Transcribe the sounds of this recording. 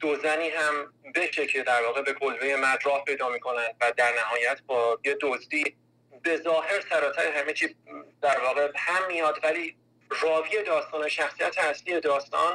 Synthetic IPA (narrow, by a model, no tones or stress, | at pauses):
d̪̥ozæniːɦæmbe̞ʃe̞cʰe̞d̪æɾvɒːɣe̞be̞ɡolveje̞mæd̪ɾɒːhpʰe̞jd̪ɒːmiːkʰo̞nænd̪væd̪æɾnæhɒːjæt̪ʰbɒːjed̪ozd̪iː | be̞zɒːhe̞ɾsæɾɒːt̪ʰæɾeɦæme̞t͡ʃʰiːd̪̥æɾvɒːɣe̞bhæmːijɒːd̪væliː | rɒːviːe̞d̪ɒːst̪ɒːne̞ʃæxsijæt̪ʰeæsliːje̞d̪ɒːst̪ɒ̰ːn